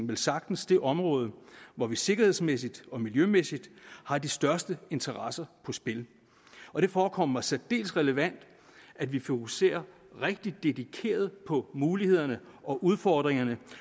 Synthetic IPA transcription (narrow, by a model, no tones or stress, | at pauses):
ŋ̩ʋe̝lsɑ̈ɡ̥̚d̥n̩sd̥e̝ʔɒ̽mʁɔ̽ːð̞ˠəʋɒʋise̝ɡ̥ɐhe̝ð̞ˠsmes̬id̥ɒ̽miljømesid̥hɑ̈d̥isd̥ɶɐsd̥əe̝nt͡sʰɐʁɑsɐpʰɒ̽sb̥e̝l | ɒ̽ɾ̥e̝fɒːkʰɒ̽m̰ɐʋæsæd̥e̝̰ːlsʁɛləʋæn̰d̥ | ædʋifo̝kʰuse̝̰ːɐ | ʁeɡ̥̚d̥id̥ːe̝dikʰe̝̰ːɐð̞̩ˠpʰɒ̽muːlihe̝ð̞̰ˠɐnəɒ̽ʔuð̞ˠfɒːd̥ʁeŋɐnə